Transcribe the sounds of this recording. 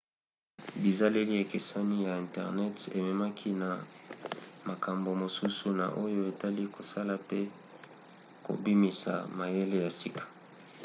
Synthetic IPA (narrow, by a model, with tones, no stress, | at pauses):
bi˨za˦le˦li˦e˨ke˨sa˦ni˦ja˨ɛ̃˨ntɛ˨ʁnɛ˦tḛ˨mɛ˨ma˦kʰi˦na˨ | ma˨ka˨mbo˨mo˨su˦su˨na̰˨ʔo˦jo˦e˨ta˦li˦ko˨sa˦la˨pe˦ | ko̰˨bi˦mi˨sa̰˨ma˨je˦le˦ja˨si˦kʰḁ˨